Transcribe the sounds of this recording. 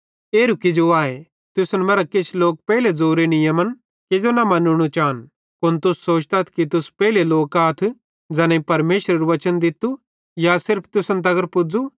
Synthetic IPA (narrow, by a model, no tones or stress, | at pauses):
eːɾʊkid͡ʒoaːe | t̪ʊsnmɐɾakɪt͡ʃʰloːk̚pɛːɦiled͡zoːɾenɪjəmən | ked͡ʒonɐmɐnʊɽ̃ot͡ʃaːn | kʊnt̪ʊsːoːt͡ʃt̪at̪ʰkit̪ʊspɛːileloːkaːt̪ʰ | d͡zɛːnẽipɐɾmeːʃɾəɾuʋɐt͡ʃənd̪ɪt̪u | jasɪɾpʰt̪ʊsənt̪ɐɡəɾpʊd͡zu